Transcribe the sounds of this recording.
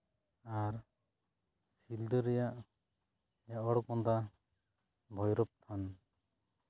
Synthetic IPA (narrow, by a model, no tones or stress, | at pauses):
aɾ | sild̪əɾɛjaʔ | jaʔɔɽkɔnd̪a | bʱɔjɾɔp̚t̪ʰan